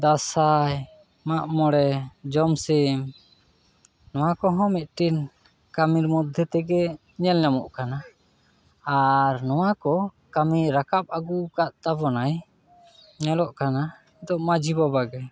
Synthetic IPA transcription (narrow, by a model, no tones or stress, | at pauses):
d̪asaj | maʔmɔɽɛd͡ʒɔmsɛm | nɔw̃akɔɦɔ̃mit̪̚ʈin | kamiɾmɔd̪ʱɛt̪ɛɡɛ | ɲɛlɲamɔ̰ʔkanaː | ɾnɔwakɔ | kamiɾakap̚aɡukaʔt̪abɔnaj | ɲɛlɔʔkana | ɛd̪ɔʔmad͡ʒibabaɡɛ